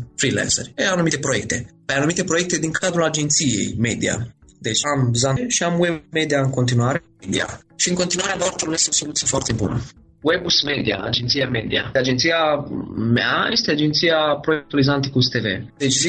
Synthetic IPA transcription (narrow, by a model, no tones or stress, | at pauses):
fɾilɛ̰nsərʲeanumit̪epɾojek̚t̪epajanumit̪e̞pɾojek̚t̪ed̪iŋkʰad̪ɾulad͡ʒent̪sijḛjmed̪ia̰d̪et͡ʃamzanʃiamwemed̪iaɨŋko̞nt̪inuaɾe | ed̪ḭa̰ | ʃiɨŋkont̪inuaɾeadaɾt̪omest̪osolut̪sijefoart̪ebṵnə | webusmed̪ia̰a̰d͡ʒent̪sijamed̪ia̰ad͡ʒent̪siameajest̪ead͡ʒent̪siapɾojek̚t̪uolizant̪ikust̪evḛd̪et͡ʃizi